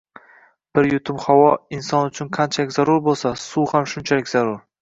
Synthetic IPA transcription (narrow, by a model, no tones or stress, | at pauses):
b̥ɪɾjʊt̪ʰʊmhawɒɪnsɒnʊt͡ʃʰʊnqʰant͡ʃʰalɪkʲzaɾʊɾbolˠsasuhamʃʊnt͡ʃʰalɪkʲz̥aɾʊɾ